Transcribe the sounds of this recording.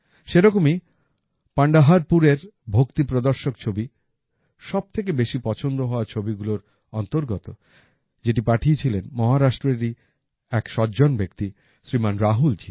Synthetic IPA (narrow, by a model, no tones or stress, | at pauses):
ʃeɾɔkomi | paɳɖaɦaɾpuɾeɾbʱokt̪ipɾod̪oɾʃok̚t͡ɕʰobi | ʃɔb̚t̪ʰek̬ebeʃipɔt͡ɕʰond̪oɦɔoat͡ɕʰobiɡuloɾ | ɔnt̪oɾɡɔt̪o | d͡ʑeʈipaʈʰiet͡ɕʰilenmɔɦaɾaʃʈɾeɾi | ɛkʃɔd͡ʑonbekt̪i | sɾimanɾaɦuld͡ʑḭ